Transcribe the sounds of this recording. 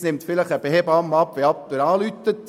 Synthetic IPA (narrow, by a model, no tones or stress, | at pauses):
nɪmt̪fɪləχəb̥eɦebɑmːɑpʋeɑptɪɾɑːlyt̪ːət